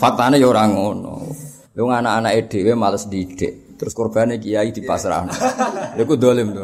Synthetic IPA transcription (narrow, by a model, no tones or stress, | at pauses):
fat̪anəjoɾaŋɔnɔ̰ | lewɔŋanaanaʔed̥ewemaləsdid̥ɛ̰ʔ | t̪ɾʊskɔrb̥anekijaid̪̥i̤pasɾa̰nalekud̪olɪmd̪o